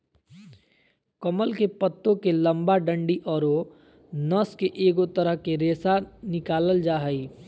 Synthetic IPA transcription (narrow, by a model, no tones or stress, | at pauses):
kəməlkepət̪ːõkelə̃mbaɖəɳɖiʔɔːɾo | nəskeʔeːɡot̪əɾəɦkeɾeːsanɪkaːləld͡ʒaːɦəi